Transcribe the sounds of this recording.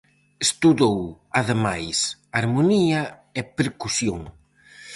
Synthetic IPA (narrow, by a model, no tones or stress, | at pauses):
est̪uðow | aðemajsaɾmuniɐ | epeɾkusjoŋ